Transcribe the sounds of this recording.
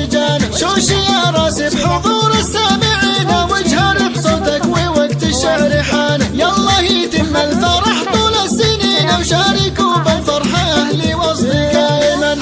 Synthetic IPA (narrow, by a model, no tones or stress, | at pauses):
d͡ʒaːnʃʊːʃɪjaɾˤɑːsɪbħʊðˤuːɾˤasːaːmɪʕiːnawɪd͡ʒhaɾɪbsˤɑt̪akwɪwaɡt̪ɪʃaʕɾɪħaːnjɑlˤːɑːhit̪ɪmːalfɑɾˤɑħt̪ʊlasːɪniːnawʃaːɾɪkuːbawfɑɾˤħaʔahliwɑsˤlikaːʔɪman